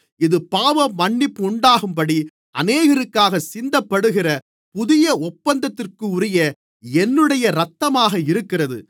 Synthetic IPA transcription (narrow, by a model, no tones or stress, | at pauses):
ɪðɯpaːʋɐmːɐɳːɪpːʊɳɖaːɣɯmpɐɽi | ʔɐneːɣɐɾɯkːaːɣɐsɪnd̪ɐpːɐɽɯɣɪrɐ | pʊðɪjɐɔpːɐnd̪ɐt̪ːɪrkɯʊɾɪjɐ | ɛnːɯɽɐjɐɾɐt̪ːɐmaːɣɐɪɾɯkːɪrɐðɯ̰